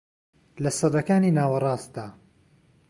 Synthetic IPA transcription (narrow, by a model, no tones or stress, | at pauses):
lɐsɨd̪ɐkaːniːnaːwɐrˤɑːst̪d̪aː